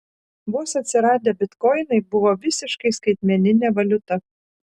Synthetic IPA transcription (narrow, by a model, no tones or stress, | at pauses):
muːsɐt̪ʲsʲɪɾɑːd̪ʲeːbʲɪt̪kɔɪnɐɪbʊʋoːʋʲɪsʲɪʃkɐɪskɐɪt̪ʲmʲɛnʲɪnʲeːʋɐlʲʊt̪ɐ